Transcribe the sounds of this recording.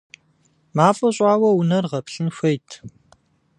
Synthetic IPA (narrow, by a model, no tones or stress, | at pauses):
maːfʼɐɕʼaːwɐunɐrʁɐpɬɨnxʷɐjtʰ